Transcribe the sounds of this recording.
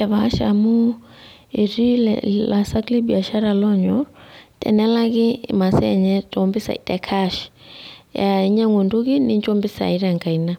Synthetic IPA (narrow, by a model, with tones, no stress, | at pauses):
aβa˦ʃa̰mu˦ | i˨ɾi˦l̰la˨sakli˦bi˨a˨ʃa˦ɾalɔ˦ɲɔtɛ̰˨nɛlaɣi˦ma˨sɛɲɛtɔmbi˦sa̰˨ḭtɛ˨kʰaʃi̥ja˨i˦ɲa˦ŋwu˨nduɣini˦ɲd͡ʒɔmbi˦sa̰˨iɾa˨ŋɡa˨ina˦